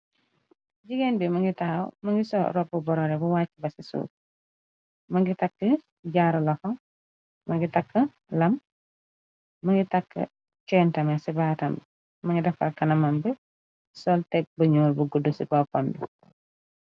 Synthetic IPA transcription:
ɟiɡɛnbimɐŋɡitawmɐŋɡisɔ̰ɾɔb̚ubɔɾɔɾɛbuwaːcːibɐsisṵːt̚ | mɐŋɡitakːə | ɟaɾɐlɔxɔ | mɐŋɡitakːə | lɐm | ɐŋɡitɐkːə̰ | kɛntɐmɛsibaːtɐmb | mɐŋɡidɐfɐ̰lkɐnɐmɐmbə | sɔltɛk̚bɐɲɔːlbuɡudusibɔpɔndu

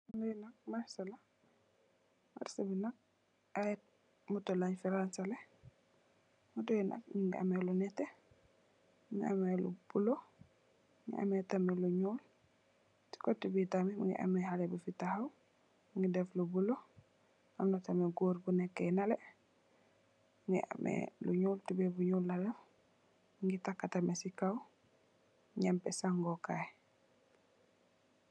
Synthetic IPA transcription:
ŋinɐk̚maɾsɐla | ma̰ɾsabinak̚ | at̚ | mutɔlaɲfiɾansalɛ | mutɔjina̰k̚ɲiŋɡia̰mɛlunɛtːɛ | ŋḭa̰mɛlṵb̥ulɔ | ŋḭʔa̰mɛtamɛluɲɔːl | ti̥kɔtːibitamimuŋɡḭʔa̰mɛhalɛbufitahaw | ŋɡidɛflubulɔ | ʔamnatamɛɡoːɾbunɛkːɛnalɛ | ŋɡḭʔa̰mʔɛ̰luɲuːltibɛbuɲulːadɛf | ŋɡitakːatamɛsikaw | ɲɛmpɛsaŋɡɔkaj

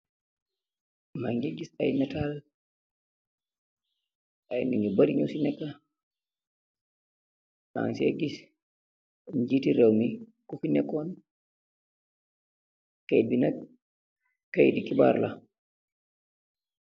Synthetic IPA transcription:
maŋɡiɡisajnatal | ʔajniŋɡibaɾiɲusinɛkːa | ʔa̰ŋsɛ̰ɡis | d͡ʒitiɾɛwmikufinɛkɔn | kajbina | kːajdikiba̰ɾla

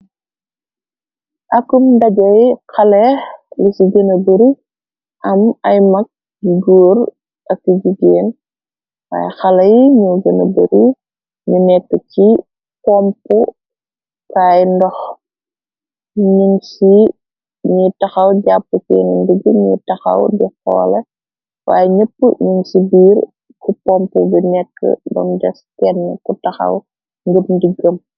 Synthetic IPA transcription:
ʔɐkumdɐɟɐjkɐlɛlisiɡənɐbəɾi | ʔɐmɐjmɐk̚ | d͡ʒiɡuːɾ | ʔɐkːiɟiɡeːn | wa̰jxɐlɐjɲuɡənɐbəɾi | ɲunɛkːəci | pɔmpu | kaːjndɔx | ɲiŋsi | ɲutɐxɐwɟapːəkɛnəndəɡəɲutɐxɐ̰wdɛxɔ̰ːlɛ | wa̰ːjɛɲəpːəɲəŋsibiːr | kupɔmpubinɛkːə̰dɔ̰mdɛskɛnːə̰kutɐxɐ̰w | ŋɡəmdiɡəm

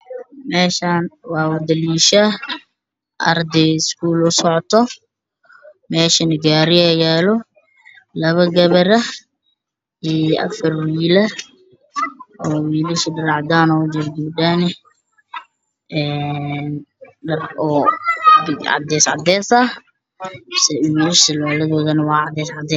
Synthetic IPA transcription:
mɛːʃaːnwɑːʊd̪ɐliːʃa | ʔɐ̰rd̪ɛɪskuːlʊsɔʕt̪ʰɔ | mɛːʃɐnɐɡaːɾɪɛjaːlɔ | lɐβɐɡɐβɐɾɐ | ɛɐ̰fɐrwiːlɐ | ɔːwiːlɪʃɪdɐɾɑʕd̪aːnɔd͡ʒɪɾɡ̪ɪbdanɛ | ɛːnɖɐrɔː | ɪʕɑ̰d̪ɛːsʕɑ̰d̪ɛːsɐ | sɛwiːlɪʃɪlɔːlɐðɔːðɐnɐwɑːʕɑd̪ɛːsʕɑd̪ɛ

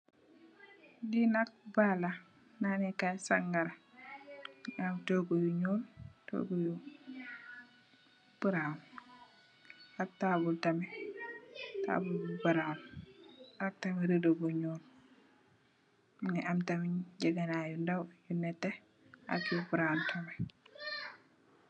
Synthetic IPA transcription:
dinak̚bala | nanɛkasaŋɡaɾa | amtoɡujuɲuːlto̰ɡuju | b̥uɾan | ak̚tabultamɛ | ta̰ːbulbubuɾan | ak̚tɐmɛɾidobuɲuːl | niʔamtamiɲɟɐɡanajundawjunɛtːɛ | a̰kjubuɾawntʰɐmɛ

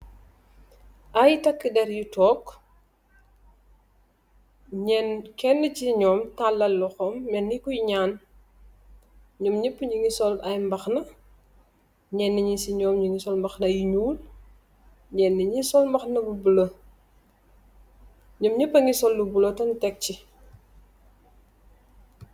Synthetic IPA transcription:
ʔajtɐkːədɛɾjutɔːk | ɲɛnkɛnːəciɲɔːmtalːɐlːɔxɔmːɛnːikujɲaːn | ɲɔmɲipːɲiŋɡisɔlɐjmbɐxnɐ | ɲɛnːiɲisiɲɔːmɲiŋɡisɔlmbɐxnɐjiɲuːl | ɲɛnːiɲisɔlmbɐxnɐbubulə | ɲɔmɲipːɐŋisɔlːubulotɐntɛk̚ci

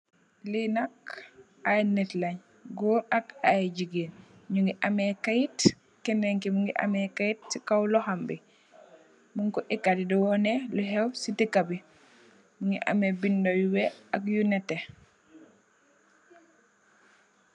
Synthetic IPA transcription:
linak̚ | ajnɛtlaɲ | ɡɔːɾakajɟiɡiːnɲuŋɡiʔamɛkajit | kɛnɛŋkimuŋɡiʔa̰mɛkajit̚sikawlɔhambḭ | muŋkɔʔikːadidɔwɔnɛluɦɛwsitikabi | muŋɡḭʔa̰mɛbindojuwɛakjunɛtɛ

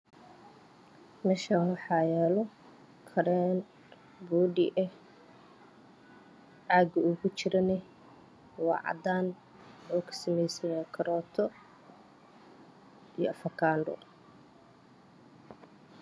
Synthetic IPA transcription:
mɛʃawɑħɑːjɛːlɔ | kʰɐɾɛn | buːɖḭʔɛh | ʕaɡɐʊɣʊt͡ʃɪɾɐnɛ | wɑ̰ːʕɑ̰d̪aːn | wħuːkʰɐ̥sɐmɛjsɐjaːkʰɐɾɔːt̪ʰɔ | ijɔ̰ɐfɐkʰaːɳɖɔ̰

